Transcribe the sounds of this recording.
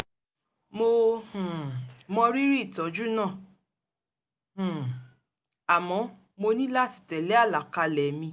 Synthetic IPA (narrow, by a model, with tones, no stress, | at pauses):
mo˧hũ˨mɔ̃˧ɾi˦ɾi˦˨tɔ˨˦d͡ʒu˦nãː˦˨ | h̩˨ | a˨mɔ̃˨˧˦ | mo˧nĩ˦la˦˨ti̥˨tɛ˨lɛ˨˦a˦˨la˨ka˧lɛ˨mĩ˧